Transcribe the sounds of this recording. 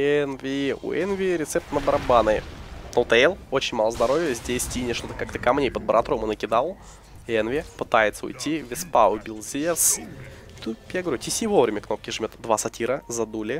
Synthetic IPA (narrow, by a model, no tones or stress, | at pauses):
ɛnvʲiṵʔɛnvʲɪɾʲɪt̪sɛp̚t̪nəbəɾɐbanɨnolˠt̪əelˠot͡ɕɪnʲmalˠəzd̪ɐɾo̞vʲjəzʲdʲesʲtʲinʲɪʂt̪o̞t̪əkakt̪əkɐmnʲejpəd̪̚bəɾɐt̪ɾomɨnəkʲɪd̪alˠ | ɛnvʲɪpɨt̪ajɪt̪səʊ̰jtʲːivʲɪspaʊbʲilˠzʲes | t̪ujaɡəvɐɾʲutʲɪsʲivo̞vɾʲɪmʲəkno̞p̚kʲɪʐɨmʲo̞t̪d̪vasɐtʲʰiɾəzɐd̪ulʲɪ